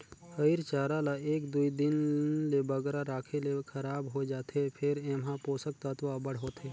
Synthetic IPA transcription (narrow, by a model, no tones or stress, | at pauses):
həiɾt͡ʃaːɾalaeːkd̪uid̪ɪnlebəɡɾaɾaːkʰelekʰəɾaːbɦod͡ʒaːt̪ʰepʰɪɾemɦãpoːsək̚t̪at̪ʋabəɽ̤ɦoːt̪eː